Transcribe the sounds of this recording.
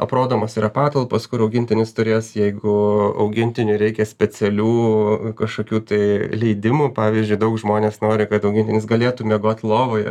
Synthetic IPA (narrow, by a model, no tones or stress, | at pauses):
ɐpɾoːd̪oːmoːsiːɾɐpɑːt̪ɐlˠposkʊɪɾɐʊɡʲɪnʲt̪ʲɪnʲɪst̪ʊɾʲeːsjɛɪɡʊɐ̰ʊɡʲɪnʲt̪ʲɪnʲʊɾʲɛɪkʲɛsʲpʲɛt͡s̪ʲɛlʲuːkɐʃkoːkʲuːt̪ɐɪlʲɛɪd̪ʲɪmuːpɑːʋʲiːzʲd͡ʒʲʊɪd̪ɐʊkʒmoːnʲeːsnoːɾʲɪkɐt̪ɐʊɡʲɪnʲtʲɪnʲɪsɡɐlʲeːt̪umʲɛɡoːt̪ʲlˠoːʋoːjɛ